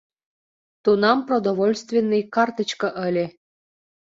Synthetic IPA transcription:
t̪unɑmprod̪ovolʲst̪vʲenːɨjkɑrt̪ə̆t͡ɕkɤ̆ʔəlʲe

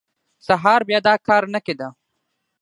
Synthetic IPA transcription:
sɐɦaːɾbjad̪aːkaːɾnɐked̪a

